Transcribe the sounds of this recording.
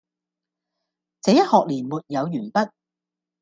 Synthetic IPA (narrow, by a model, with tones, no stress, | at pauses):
t͡sɛː˨˧˥jɐ˥t̚hɔː˨k̚liː˨˩nmuː˨t̚jɐ˨˧wjyː˨˩npɐ˥t̚